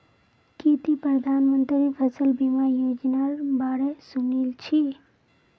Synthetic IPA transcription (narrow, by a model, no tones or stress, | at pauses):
kit̪ipɾəd̪ʱanmənt̪ɾipʰəsəlbimajod͡ʒnaɾbaɽesunilt͡ʃʰi